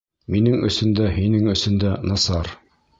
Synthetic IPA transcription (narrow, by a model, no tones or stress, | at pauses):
minɘŋɵ̰̆sɵ̆nd̪æhinɘŋɵ̆sɵ̆nd̪ænɑsɑɾ